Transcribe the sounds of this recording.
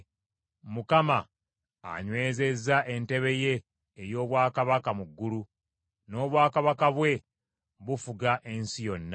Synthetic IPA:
mukama̰ː | ɲwe̞ːze̞zːaʔe̞nte̞βe̞je̞ː | jo̞ːβwaːkaβakamuɡːulu | no̞ːβwaːkaβakaβwe̞ | βufuɡaʔe̞nsijo̞nːa

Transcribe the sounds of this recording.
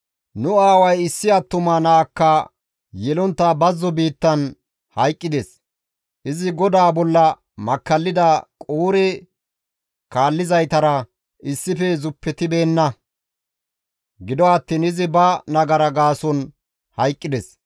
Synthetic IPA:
nʊaːwɐjɪsːɪɐt̪ːʊmanaːkːɐ | jɛlɔnt̪ːabɐzːɔbiːt̪ːɐn | hɐjkʼːɪd̪ɛs | ʔɪzɪɡɔd̪aːbɔlːɐ | mɐkːɐlːɪd̪ɐkʼuːɾɛ | kaːlːɪzɐjt̪ɐɾɐ | ɪsːɪfɛzʊpːɛt̪ɪbe̞ːnːɐ | ɡɪd̪ɔɐt̪ːiːnɪzɪbɐnɐɡɐɾɐɡaːsɔn | hɐjkʼːɪd̪ɛs

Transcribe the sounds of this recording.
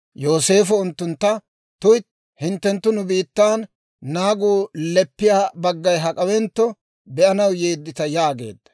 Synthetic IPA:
jo̞ːse̞ːfɔʊnt̪ːʊnt̪ːɐ | t̪ʊjt̪ | hɪnt̪ːɛnt̪ːʊnʊbiːt̪ːaːnː | aːɡuːlɛpːɪjaːbɐɡːɐjɦɐkʼɐwɛnt̪ːɔ | bɛʔɐnɐwjeːd̪ːɪt̪ɐjaːɡe̞ːd̪ːɐ̥

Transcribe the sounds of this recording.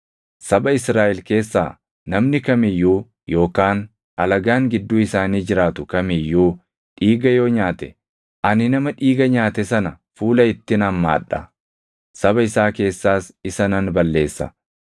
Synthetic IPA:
sɐbɐɪsɾaːʔɪlke̞ːsːa̰ː | nɐmnɪkɐmɪjːuː | jo̞ːkaːn | ɐlɐɡaːŋɡɪd̪ːuːɪsaːniːd͡ʒɪɾaːt̪ʊkɐmɪjːuː | ᶑiːɡɐjo̞ːɲaːt̪ɛ | ʔɐnɪnɐmɐᶑiːɡɐɲaːt̪ɛsɐnɐ | fuːlɐɪt̪ːɪnɐmːa̰ːᶑːɐ | sɐbɐɪsaːke̞ːsːaːsɪsɐnɐnbɐlːe̞ːsːɐ̰

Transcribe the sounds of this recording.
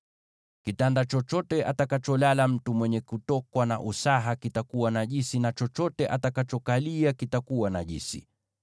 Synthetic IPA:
kitandat͡ʃɔt͡ʃɔtɛʔatakat͡ʃɔlalam̩tumwɛɲɛkutɔkwana̰ʔusaɦakitakuwanaʄisinat͡ʃɔt͡ʃɔtɛʔatakat͡ʃɔkaliakitakuwanaʄḭsḭ

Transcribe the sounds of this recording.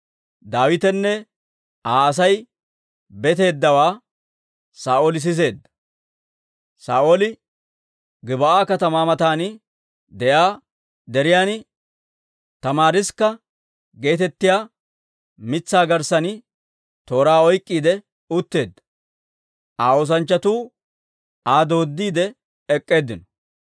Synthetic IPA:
d̪aːwɪt̪ɛnːɛ | ʔaːɐs̬ɐj | bɛt̪e̞ːd̪ːɐwaː | saːʔoːlɪs̬ɪs̬e̞ːd̪ːɐ̥ | saːʔoːlɪ | ɡɪbɐaːkɐt̪ɐmaːmɐt̪aːnɪ | d̪ɛʔaː | d̪ɛɾɪjaːnɪ | t̪ɐmaːɾɪskːɐ | ɡe̞ːt̪ɛt̪ːɪjaː | mɪt͡sːaːɡɐɾsɐnɪ | t̪o̞ːɾaːɔjkʼːiːd̪ɛ | ʊt̪ːe̞ːd̪ːɐ̥ | ʔaːoːs̬ɐnt͡ʃːɐt̪uː | aːd̪o̞ːd̪ːiːd̪ɛ | ɛkʼːe̞ːd̪ːɪnɔ̥

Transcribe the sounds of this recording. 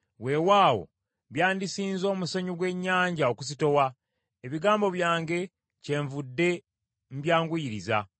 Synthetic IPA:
we̞waːwo̞̰ | βjaːndisiːnzo̞ːmusaɲuɡwe̞ɲːaːɲɟao̞kus̬ito̞wa | eβiɡaːmbo̞βjaːŋɡe̞ | ce̞ːɱvudːe̞ | m̩bjaːŋɡujiɾiza

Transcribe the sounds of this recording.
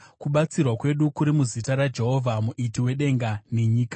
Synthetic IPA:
kuɓat͡sirwakwe̞ɗukuɾimuzitaɾad͡ʒe̞ɦo̞vʱamuʔitiwe̞ɗe̞ŋɡane̞ɲiːka

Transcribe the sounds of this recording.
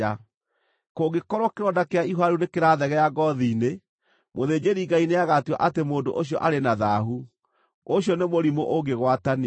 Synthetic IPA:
a | koɡekɔɾwɔkeɾɔndakeaiɦwaɾunekeɾaðɛɣɛjaɡɔðine | moðeːd͡ʑeɾiːŋɡaineaɣatuwa̰ʔatemoːndo̰ʔoɕjɔʔaɾenaðaːɦu | oɕjɔnemoɾimoʔoɡeɣwatani

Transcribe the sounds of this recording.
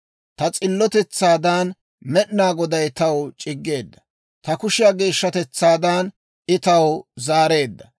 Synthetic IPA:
t̪ɐt͡sʼɪlːɔt̪ɛt͡sːaːd̪aːn | mɛɗnaːɡɔd̪ɐjt̪ɐwt͡ʃʼɪɡːe̞ːd̪ːɐ̥ | t̪ɐkʊʃɪjaːɡe̞ːʃːɐt̪ɛt͡sːaːd̪aːn | ɪt̪ɐwzaːɾe̞ːd̪ːɐ

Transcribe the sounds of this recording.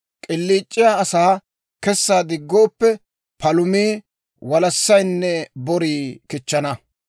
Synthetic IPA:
kʼɪlːiːt͡ʃʼːɪjaɐsaː | kɛsːaːd̪ɪɡːoːpːɛ | pɐlʊmiː | wɐlɐsːɐjnːɛbɔɾiːkɪt͡ʃːɐnɐ

